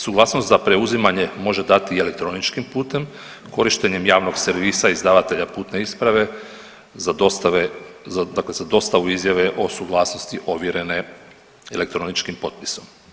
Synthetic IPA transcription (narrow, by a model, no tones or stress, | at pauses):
suɡlˠaːsnost̪zapɾe̞uzimaɲe̞mo̞ʒe̞d̪at̪iele̞k̚t̪ɾo̞nit͡ʃkimpuːt̪e̞m | ko̞ɾiʃt̪e̞ɲe̞mjaːʋno̞ɡseɾʋiːsaizd̪aːʋat̪e̞ʎapuːt̪ne̞ispɾaʋe̞ | zad̪ost̪aʋead̪akle̞zad̪o̞st̪aʋuizjaʋe̞ʔo̞suɡlˠaːsnost̪iʔo̞ʋjiɾe̞ne̞ | elek̚t̪ɾo̞nit͡ʃkimpo̞t̪̚pi̥so̞m